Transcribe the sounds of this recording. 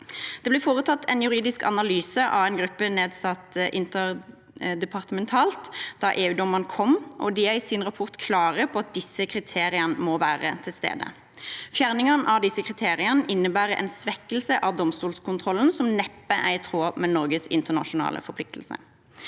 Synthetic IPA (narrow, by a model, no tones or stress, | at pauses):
d̪̥ɛblɪːfoːʁət̪ʰɑt̪ːɛnjʉʁiːd̪ɪskɑ̰nɑlyːsəʔɑ̰ʋæɪnɡʁʉpːəneːd̪sɑt̪ʔɪnt̪əʁ | d̪ɛpʰɑʁt̪əmɛnt̪ʰɑːlt̪d̪̥ɑʔeːʉːd̪ɔməʁnkʰɔmʔɔ̰d̪ɪæɪsɪnʁɑpʰɔʁt̪kʰlɑːʁəpʰɔɑt̪̚d̪ɪsːəkʰʁɪt̪ʰeːʁɪənəmɔʋæːʁə̰t̪ʰɪlst̪ḛːd̪ə̰ | fjæːʁnɪŋɑnʔɑd̪ɪsːəkʰʁɪt̪ʰeːʁɪənəʔɪnːəbæːʁəʔɛ̰nsʋɛkːəl̩səʔɑʋd̪ɔmst̪uːlskʰʊnt̪ʰʁɔln̩sɔmnɛpːəʔæɪt̪ʰʁoːmɛnɔʁɡəsɪ̰nt̪əʁnɑ̰ʃʊnɑ̰ːlə̰fɔpʰlɪk̚t̪ʰl̩sə̰